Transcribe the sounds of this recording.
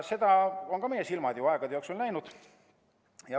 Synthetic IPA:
se̞d̪̥ɑo̞nkɑme̞jesilmɑd̪juɑeɡ̥ɑd̪eoːksulnæjnud̪̥ | jɑ

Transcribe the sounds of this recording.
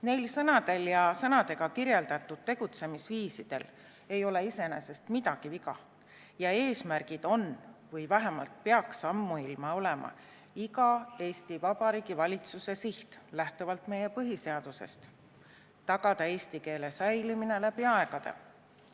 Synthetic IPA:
ne̞jlsɤnɑd̪̥e̞ljɑsɤnɑd̪e̞ɡ̥ɑkiɾje̞ld̪̥ɑt̪ːˑud̪̥̚t̪e̞ɡ̥ut̪se̞misviːsid̪̥e̞̰l | e̞jo̞le̞ise̞nese̞st̪mid̪ɑɡ̥ivikɑ̰ | jɑe̞ːsmærɡ̥id̪̥o̞nvɤjvæɦemɑ̰lt̪̚peɑksɑmːuilmɑo̞le̞mɑ̰ | iɡɑe̞ːst̪ivɑb̥ɑɾiːɡivɑlʲit̪suse̞siht̪læht̪ovɑlt̪me̞je̞pɤɦise̞ɑd̪̥use̞̰st̪ | t̪ːɑɡ̥ɑd̪̥ɑe̞ːst̪ike̞ːle̞sɑjlimine̞læpiɑe̞ɡ̥ɑd̪̥ḛ

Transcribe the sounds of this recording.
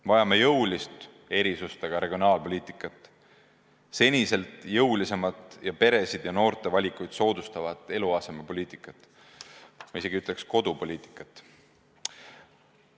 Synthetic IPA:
vɑjɑme̞jɤwlist̪ | e̞ɾisust̪ɑɡ̥ɑɾe̞ɡ̥ʲio̞nɑːlpo̞liːt̪ˑikːˑɑt̪ːˑ | se̞nʲise̞lt̪ˑjɤwlise̞mɑt̪ˑjɑpe̞ɾe̞sid̪̥jɑno̞ːɾt̪ˑe̞vɑlʲikˑujd̪̥so̞ːd̪ust̪ɑvɑd̪ˑe̞luɑːse̞mepo̞lʲiːt̪ˑikːˑɑt̪ːˑ | mɑise̞ɡ̥iyt̪ːˑle̞ksko̞d̪̥upo̞lʲiːt̪ˑi̥kːˑɑt̪ː

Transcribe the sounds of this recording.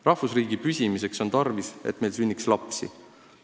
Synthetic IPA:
rɑhfusriːɡ̥ipysʲimise̞kso̞nt̪ɑrvise̞̰t̪ːme̞jlsynʲːikslɑpsḭ

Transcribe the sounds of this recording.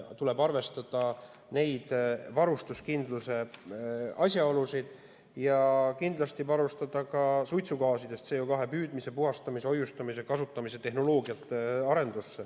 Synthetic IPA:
t̪ule̞bɑrve̞st̪ɑd̪̥ɑ | ne̞jd̪̥vɑɾust̪uskind̪luse̞ | ɑsʲjɑo̞lusid̪̥ | jɑkind̪lɑst̪ivɑɾust̪ɑd̪ɑkɑsujt̪sukɑːsid̪̥e̞st̪se̞ːjokɑɦe̞pyːd̪̥mise̞puɦɑst̪ɑmise̞o̞just̪ɑmise̞kɑsut̪ːˑɑmise̞t̪e̞ɦno̞lo̞ːɡiɑt̪ːˑɑɾe̞nd̪̥usːe

